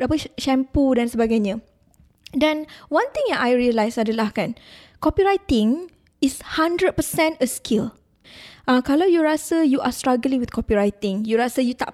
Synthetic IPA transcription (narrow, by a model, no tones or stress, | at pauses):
dapəʃɛ̃mpudansəbaɡajɲã | dɛ̃nwãnt̪ĩŋãʔajɹiəlajsadəlahkan | kɔpiɹajt̪ɪ̃ŋ | ishãndɹəd̚pəsɛ̃nəskʰil | ʔãkalawjuɹasəjuʔastɹaɡəlĩŋwitkɔpiɹajt̪ɪ̃ŋjuɾasəjut̪a̰ʔ